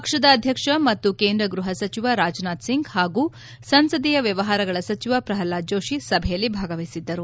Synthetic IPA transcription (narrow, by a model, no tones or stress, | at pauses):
pɐkʂɐd̪ɐːd̪ʱjɐkʂɐmɐt̪ːukeːnd̪ɾɐɡɾuɦɐsɐt͡ʃiʋaɾaːd͡ʒnaːt̪siŋɡhaːɡuː | sɐnsɐd̪ijɐʋjɐʋɐɦaːɾɐɡɐɭɐsɐt͡ʃiʋapɾɐɦɐlːaːd͡ʒo̞ːʂisɐbʱɛjɐlːibʱaːɡɐʋɐjsid̪ːɐɾu